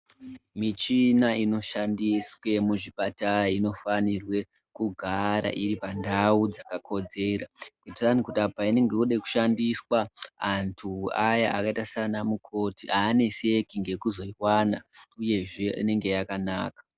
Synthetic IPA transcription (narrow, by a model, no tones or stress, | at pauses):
mit͡ʃinaino̞ʃandiswe̞muʐiɓataɾaino̞fanirwe̞ | kuɡʱaɾa̰ʔiɾipandaud͡zakakʰo̞d͡ze̞ɾakutiranikutapaine̞ŋɡe̞uɗeku̥ʃandiswaːntʰuajaʔakaitasanamukʰo̞tiaːne̞se̞kiŋɡe̞kuzo̞iwanauje̞ʐe̞ḭne̞ŋɡe̞jakanaːkḁ